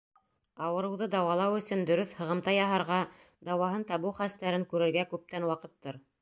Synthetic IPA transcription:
ɑwɤ̆ɾɤ̆wðɤd̪ɑwɑlˠɑwɵ̆sɵnd̪ɵ̆ɾɵθhɤ̆ʁɤ̆mt̪ɑjɑɦɑɾʁɑ | d̪ɑwɑɦɤnt̪ɑβɤχæst̪æɾɘŋkʉɾɘ̆ɾɡækʉp̚t̪ænwɑqɤ̆t̪ːɤɾ

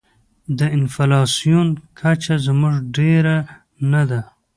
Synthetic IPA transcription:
d̪əɪnfalɑsijunkʰat͡ʃazmuʐɖeɾa | nad̪a

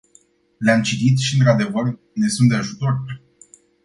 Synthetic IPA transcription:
leamt͡ʃit̪it̪ʃiɨnt̪ɾad̪e̞vər | ne̞sunt̪̚d̪eaʒut̪o̞rʲ

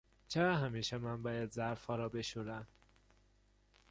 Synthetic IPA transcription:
t͡ʃʰeɾɒːɦæmiːʃemænbɒːjæd̪zæɾfɒːɾɒːbe̞ʃuɾæm

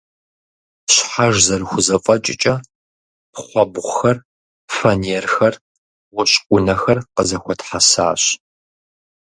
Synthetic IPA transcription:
ɕħaʒzɐrɨxʷʊzɐfʼɐt͡ʃʼɪt͡ʃʼɐ | pχʷɔbʁʷxɐr | fɐneːrxɐr | wʊɕʼkʷʼʊnɐxɐrqəzɐxʷɔtħasa̰ːɕ

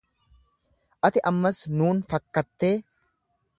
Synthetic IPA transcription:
ʔɐt̪ɪʔɐmːɐsnuːnfɐkːɐt̪ːe̞ː

